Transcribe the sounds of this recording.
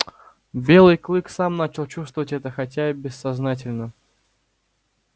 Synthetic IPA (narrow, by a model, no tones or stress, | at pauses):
bʲe̞lˠɨjklˠɨksamnat͡ɕɪlˠt͡ɕust̪vəvətʲɛt̪əxɐtʲabʲɪsːɐznatʲɪlʲnə